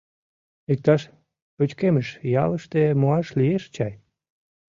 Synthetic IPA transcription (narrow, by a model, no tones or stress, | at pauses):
ik̚t̪ɑʃ | pøt͡ɕkeməʃjɑ̰ləʃt̪emoɑʃlieʃt͡ɕɑj